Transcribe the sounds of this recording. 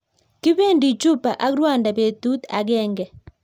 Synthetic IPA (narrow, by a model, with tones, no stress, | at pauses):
kɪ˦be˦˨ndi˨t͡ʃu˦pa˨ʔa˦kɾwa˦˨nda˨be˨tu˦t̪a̰˨ɡɛ˦ŋɡɛ˨